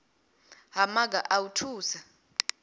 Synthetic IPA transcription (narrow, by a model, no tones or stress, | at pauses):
ɦamaɡ̬aʔawutʰuːsa